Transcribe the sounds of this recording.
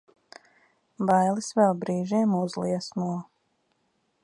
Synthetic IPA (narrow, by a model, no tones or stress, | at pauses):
bajlˠisvɛlˠbɾiːʒiːmuzlˠiɛsmuɔ